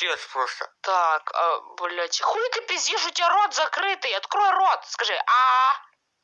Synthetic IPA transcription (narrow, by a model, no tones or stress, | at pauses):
espɾost̪ə̰t̪akɐ̰bʊlʲat͡ɕɪxulʲɪt̪ɨpʲɪzʲjiʂʊt̪ʲaɾot̪zɐkɾɨt̪ɨjɐt̪kɾojʊɾot̪skɐʐɨʔa